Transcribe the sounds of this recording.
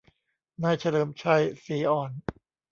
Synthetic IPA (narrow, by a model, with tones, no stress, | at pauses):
naː˧˩jt͡ɕʰa˧lɤː˩˦mt͡ɕʰa˧˩jsiː˩˦ʔɔː˨˩n